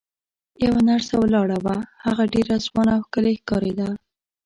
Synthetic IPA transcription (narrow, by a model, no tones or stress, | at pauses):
jawanaɾsawlɑɽawahaɣaɖeɾazwɑnawxkəlexkɑɾed̪a